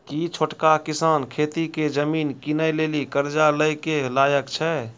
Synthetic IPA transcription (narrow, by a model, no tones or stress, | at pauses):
kit͡ʃʰoʈkakisaːnkʰet̪iked͡ʒəmiːnkinəjlelikəɾd͡ʒaləjkelajəkt͡ʃʰɛ